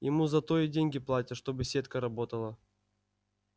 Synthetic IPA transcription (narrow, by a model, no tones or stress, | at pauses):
jɪmuzɐt̪oidʲenʲɡʲɪplˠatʲɪʂt̪o̞bɨsʲet̪kəɾɐbo̞t̪əlˠə